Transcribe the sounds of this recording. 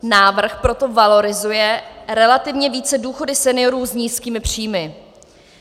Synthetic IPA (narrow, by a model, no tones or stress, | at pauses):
naːvr̩xpɾo̞t̪o̞valo̞ɾɪzujɛɾɛlat̪ɪvɲɛviːt͡sɛduːxo̞dɪsɛnɪjo̞ɾuːzɲiːskiːmɪpr̝̥iːmɪ